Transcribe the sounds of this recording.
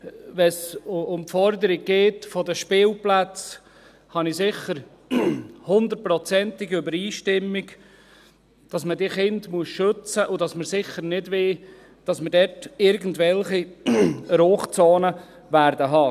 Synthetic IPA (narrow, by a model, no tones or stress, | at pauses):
vɛsʊmpfɔɾd̪əɾiɡ̚ɡeːtfɔdəʃpɪːlplæt͡s | hɑnɪsɪχəɾ | hʊnd̪əɾt̚pɾɔt͡sɛntɪɡʏbəɾiːʃtɪmːiɡ | d̥ɑsmədiχɪndmuəsʃøt͡səʔʊdɑsməɾsɪχəɾnɪdʋɪ | d̥ɑsməɾdɛtɪɾɡən̩dvɛlχi | ɾoːχt͡soːnə | væɾdəɦɑː